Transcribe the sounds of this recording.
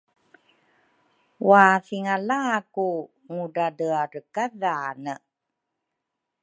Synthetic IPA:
waθiŋalaku | ŋuɖadəarəkaðaːnə

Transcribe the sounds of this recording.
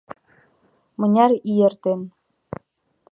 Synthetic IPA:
mɤ̆nʲɑɾijert̪en

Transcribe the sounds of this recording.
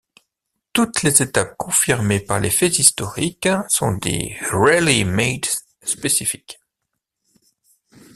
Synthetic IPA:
t̪ut̪lezet̪ap̚kɔ̃fiʁmepaʁlefɛzist̪ɔʁiksɔ̰̃d̪ḛʁelimed̪ | spesifi̥k

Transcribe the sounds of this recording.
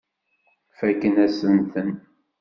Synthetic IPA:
fækːənæsənt̪ən

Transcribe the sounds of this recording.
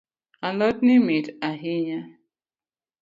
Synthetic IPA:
alɔtnimitaɦiɲa

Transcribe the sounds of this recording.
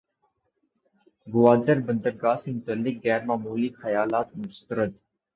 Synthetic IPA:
ɡʊwaːd̪əɾbɐnd̪əɾɡaːsemʊt̪əlːɪk̚ɣɛːɾmaːmuːlixɐjaːlaːt̪̚mʊst̪əɾəd̪

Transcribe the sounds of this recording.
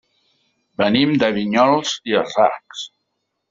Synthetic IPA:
bənimd̪əβiɲɔlˠziəra̰ks

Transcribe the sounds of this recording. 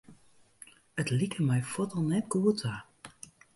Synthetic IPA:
ətlikəmɛjfɔtɔlˠnɛtɡuːətʰa

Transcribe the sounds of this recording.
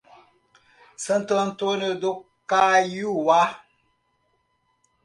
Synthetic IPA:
səntən̩tonɨdo | kajuwa

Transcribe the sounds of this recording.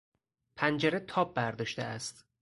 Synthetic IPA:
pʰænd͡ʒeɾet̪ʰɒːb̚ːæɾd̪ɒːʃt̪ḛæst̪

